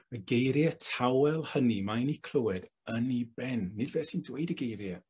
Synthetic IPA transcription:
əɡejɾjətʰawɛlˠhənimanikʰl̥ˠəwɛd | ənibɛnːɪdvɛsindweɨdəɡejɾjɛ

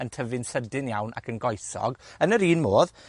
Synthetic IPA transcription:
əntʰəvɪnsədɪnjawnʔa̰kʰənɡɔjsɔ̰ɡənəɾiːnmoːð

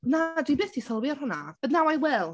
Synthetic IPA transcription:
nadwibeːθd̥isɔlˠwjɔrhʊna̰b̥əðnawajwɛlˠ

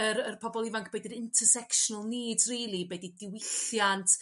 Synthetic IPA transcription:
əɾərpʰɔbɔlˠɪvaŋkʰb̥ejdəɾɪntʰərsɛkʃɔnəlˠniːdriːlˠibɛdidɪwɪθjantʰ

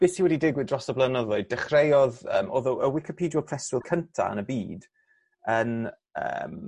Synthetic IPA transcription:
b̥eːsiwɛdidɪɡwɪdrɔsɔblənɔðojdɛχrejɔðə̰ːmʔɔːðɔʔəwɪkipʰiːdjɔpʰr̥ɛstwɪlˠkʰəntʰa̰ə̰nəbiːd | ən | ə̰m

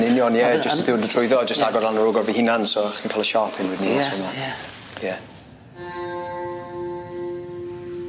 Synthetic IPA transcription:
nɪnjɔnjɛd͡ʒəsədɪwəndətʰʊɨðɔd͡ʒəstaɡɔdalˠnəɾʊːɡɔrvihinansɔχinkʰaːlˠəʃɔpʰɪnwɪdnisɔma | jɛ

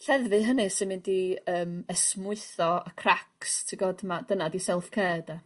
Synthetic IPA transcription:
ɬɛðvɨɦənɨsɪnmɪndiəːməsmʊɨθɔəkʰrakstʰɪɡɔdmad̥ənadisɛlˠfkʰɛːda

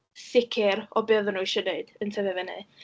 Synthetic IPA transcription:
sɪkʰɪɾɔbeːðənuʃədeɨd̥əntʰɛvɛvɛnɨ

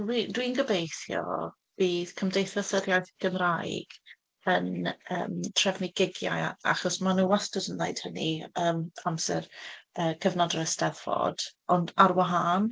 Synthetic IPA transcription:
widwinɡəbejθjɔ̰ | b̥iːθkʰəmdejθɔsəɾjajθɡ̥əmrajɡ̥ | ənəːmtʰrɛvniɡɪɡja̰ja̰χɔsmanuːwastədənlajd̥həniəːmamsɛrəːkʰəvnɔdrɛstɛðv̥ɔ̰d̥ɔndaɾwaɦaːn

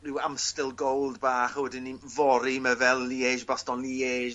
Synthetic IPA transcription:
rɪwamstɪlˠɡowlˠdbaːχəwɛdɪnːivɔɾiməvɛlˠːieːʒbastɔnlieːʒ

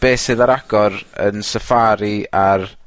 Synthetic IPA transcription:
b̥eːsɪðaɾaɡ̥ɔɾə̰nsəfaɾiar

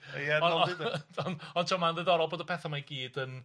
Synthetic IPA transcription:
jɛɔ | ɔnɔntʰowmanðəðɔɾɔlˠboːdəpʰɛθamajɡiːd̥ən

